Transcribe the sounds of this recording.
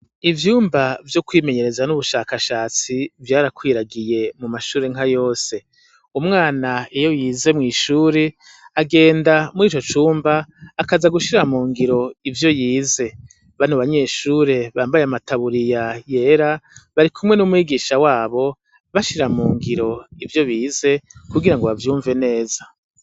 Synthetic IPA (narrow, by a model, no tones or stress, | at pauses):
ivjuːmbavjokwiːme̞ɲe̞ɾe̞zanuβuʃaːkaʃaːt͡sivjaːɾakwiːɾaɡije̞mumaʃuːɾe̞ŋ̥ajo̞ːse̞ | umŋaːnaejo̞jiːze̞mŋiːʃuːɾe̞ | aɡe̞ːndamiːt͡ʃo̞t͡ʃuːmbaːkazaɡuʃiɾamuːŋɡiɾo̞ivjo̞jiːze̞ | βanuβaɲe̞ːʃuːɾe̞βaːmbajeamatʰaβuɾijaje̞ɾaβaɾikʰumŋe̞numwiːɡiːʃawaːβo̞ | βaʃiɾamuːŋɡiɾo̞ivjo̞βiːze̞kuɡiɾaŋɡoβavjuːɱve̞ne̞ːza